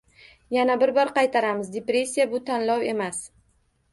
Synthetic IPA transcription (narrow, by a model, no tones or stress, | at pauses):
janabɪɾbɒɾqɑjt̪ʰaɾamɪzd̪epɾe̞sʲːijabʊt̪ʰanlɒwe̞mas